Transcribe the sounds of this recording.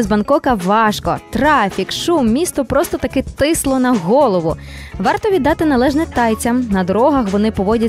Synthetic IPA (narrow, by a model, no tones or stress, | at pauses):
zbɐnkɔkɐʋɑʃkɔ̰t̪ɾɑfʲikʃumːʲist̪ɔpɾɔst̪ɔt̪ɐkɛt̪ɪslˠɔnɐɣɔlˠɔʋʊ | ʋɑrt̪ɔʋʲid̪ːɑt̪ɪnɐlˠɛʒnɛt̪ɑjt͡sʲɐmnɐd̪ɔɾɔɦɐxʋɔnɪpɔʋɔdʲɐ